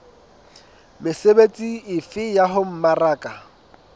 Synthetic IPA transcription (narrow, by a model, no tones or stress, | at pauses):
mɪsebet͡sʼiɪfɪjaɦʊm̩maraːkʼa